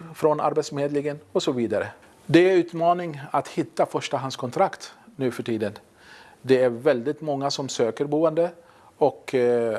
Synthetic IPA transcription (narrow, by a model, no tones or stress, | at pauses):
fɾɔna̰ɾbɛt̪smeːd̪lɪɡənɔsɔviːd̪aɾə̰ | d̪ɛæʉ̟ːt̪mɑːnɪŋat̪hɪt̪ːafœʂʈaɦanskʰɔnt̪ʰɾakt̪nʉ̟ːfœʈʰiːd̪ən | d̪ɛæɾvɛld̪ɪt̪mɔŋːasɔmsøːkəɾbuːənd̪ə | ɔk